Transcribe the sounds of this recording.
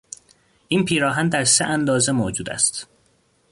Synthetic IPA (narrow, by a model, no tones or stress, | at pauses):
ʔiːnpʰiːɾɒːɦænd̪æɾseʔænd̪ɒːze̞mod͡ʒuːd̪æ̰st̪